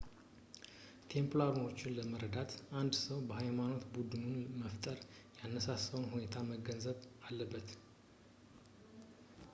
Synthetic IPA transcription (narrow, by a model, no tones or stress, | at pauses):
t̪ʰe̞mplaɾno̞t͡ʃːɪnləməɾəd̪at̪ʔand̪səwbəhajmano̞t̪bud̪umunməft̪ʼəɾjanːəsasəwnhune̞t̪ʰaməɡənzəβalːəbːət̪